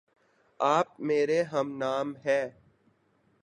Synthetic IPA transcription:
aːp̚meːɾeɦəmnaːmɦɛː

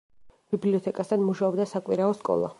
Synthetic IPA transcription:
b̥ibliɔt̪ʰɛkʼast̪ʰanmuʃaɔbd̪asakʼwiɾaɔskʼɔ̰lˠa̰

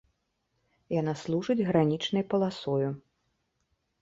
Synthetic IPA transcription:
janaslˠuʐɨd͡zʲɣɾanʲit͡ʂnɐjpɐlˠasɔju

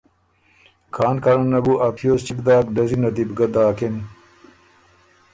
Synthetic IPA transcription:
kʰaːnkɐɾɐnːɐbuʔɐpʰjoːst͡ɕikd̪aːkɖɐzinɐd̪ibɡɐd̪aːken

